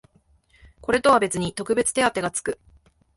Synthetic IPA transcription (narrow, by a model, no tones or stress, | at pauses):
ko̞ɾe̞t̪o̞βabe̞t͡sɨɲ̟it̪o̞kɯ̟be̞t͡sɨ̥t̪e̞at̪ːe̞ɡat͡sɨ̥kɯ̟